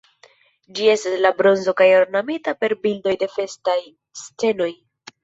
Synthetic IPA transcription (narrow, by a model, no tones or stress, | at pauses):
d͡ʒie̞staslabɾo̞nzo̞kajo̞ɾnamitape̞ɾbildo̞jde̞fe̞staj | st͡se̞no̞j